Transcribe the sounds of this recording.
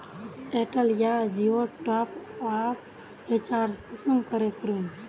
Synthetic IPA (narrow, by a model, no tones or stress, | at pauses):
eʈəljad͡ʒioʈɔpapʰ | et͡ʃaːɾd͡ʒpəsənkəɾekɾun